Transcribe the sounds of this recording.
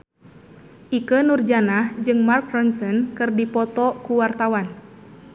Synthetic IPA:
ʔikənurd͡ʒanahd͡ʒɨŋmarkɾɔnsɔnkɨrdipɔt̪ɔkuwart̪awan

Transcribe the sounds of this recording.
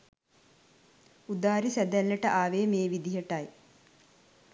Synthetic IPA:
ud̪aːɾisæd̪ælːeʈəʔaːʋeːmeːʋid̪iɦəʈɐj

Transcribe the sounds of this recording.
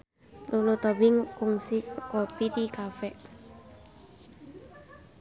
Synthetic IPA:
lulot̪ɔbiŋkɔŋsiʔkɔpiɾikafɛʔ

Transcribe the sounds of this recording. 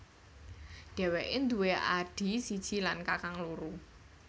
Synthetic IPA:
ɖ̥ɛ̤wɛʔɪnd̪uweʔaɖ̥i̤sid̥ʒ̥i̤lankakaŋluɾu

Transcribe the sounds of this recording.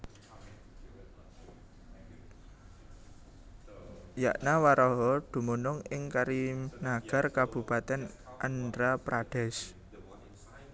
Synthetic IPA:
ja̰ʔnawaɾɔɦɔd̪̥ṳmunʊŋɪŋkaɾinaɡ̥a̤rkab̥ṳpat̪ɛnʔandɾapɾʔaɖ̥ɛs

